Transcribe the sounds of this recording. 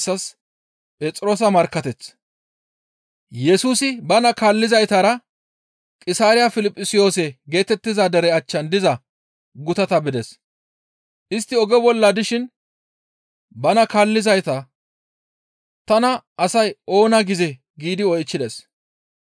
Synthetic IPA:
sːɐs | pʼɛt͡sʼɾo̞ːs̬ɐmɐɾkːɐt̪ɛt͡sː | jɛsuːsɪbɐnɐkaːlːɪzɐjt̪aːɾɐ | kʼɪsaːɾɪjafɪlɪpʼːɪsɪjo̞ːsɛɡe̞ːt̪ɛt̪ːɪzaːd̪ɐɾɛɐt͡ʃːɐnd̪ɪzɐ | ɡʊt̪ɐt̪ɐbɪd̪ɛs | ʔɪst̪ːɪɔɡɛbɔlːɐd̪ɪʃɪn | bɐnɐkaːlːɪzɐjt̪ɐ | t̪ɐnɐːsɐjʔo̞ːnɐɡɪzɛ | ɡiːd̪ɪɔjt͡ʃːɪd̪ɛs

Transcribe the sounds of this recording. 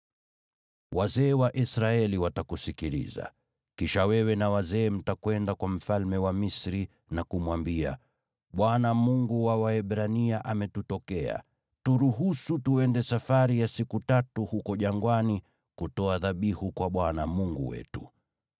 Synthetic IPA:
wazɛːwaʔisɾaɛliwatakusikilḭza̰ | kiʃawɛwɛnawazɛːm̩takwɛndakwam̩falmɛwamisɾi | nakumwambia̰ | ɓwanamuŋɡuwawaɛɓɾaniaʔamɛtutɔkɛa̰ | tuɾuɦusutuɛndɛsafaɾijasikutatuhukɔʄaŋɡwani | kutɔaðaɓihukwaɓwanamuŋɡṵwɛ̰tu̥

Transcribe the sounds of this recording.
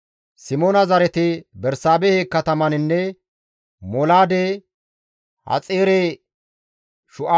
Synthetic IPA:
sɪmoːnɐzɐɾɛt̪ɪbɛɾsaːbɛheːkːɐt̪ɐmɐnɪnːɛ | mɔlaːd̪e | hɐ̰t͡sʼeːɾɛ | ʃʊʔa

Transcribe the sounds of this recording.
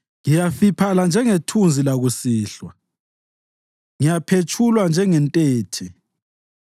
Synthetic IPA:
ŋijafipʰaland͡ʒʱɛŋetʰund͡zʱilaɣusiːɬwa | ŋijapʰet͡ʃʼʰulwand͡ʒʱɛŋɛntʼɛːtʰɛ

